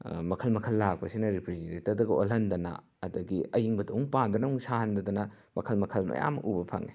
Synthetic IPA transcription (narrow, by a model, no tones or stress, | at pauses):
mɐkʰɐlmɐkʰɐlːak̚pɐsinɐɾipʰɾiziɾitɐd̪ɐɡɐʔo̰lɦɐnd̪ɐnɐ̰ | ɐdɐɡiɐjiŋbɐdɐwuŋpand̪ɐnɐuŋsaɦɐndɐd̪ɐnɐ | mɐkʰɐlmɐkʰɐlmɐ̰ja̰mɐ̰ʔubɐpʰɐ̰ŋe